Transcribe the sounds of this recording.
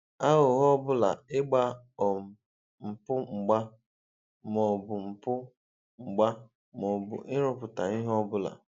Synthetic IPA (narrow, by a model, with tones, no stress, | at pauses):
a˦ɦʊ˨ɦɔ˦bʊ˦la̰˨ɪ˦ɡ͡ba˦ | ɔ˨m̩˨ | m̩˨pʊ˦ŋ͡m̩˨ɡ͡ba˦ | mɔ˨bʊ˨m̩˨pʊ˦ | ŋ͡m̩˨ɡ͡ba˦ | mɔ˨bʊ̰˨ʔɪ˦ɾʊ˦pʊ˨ta̰˨i˦ɦɔ˦bʊ˦la̰˨